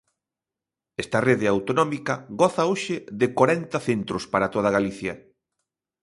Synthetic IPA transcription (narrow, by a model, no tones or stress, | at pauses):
ɛst̪ɐreðɪawt̪onɔmikɐɣɔθɐoʃɪðɪkaɾɛnt̪ɐθent̪ɾʊspaɾat̪oð̞aɣaliθjɐ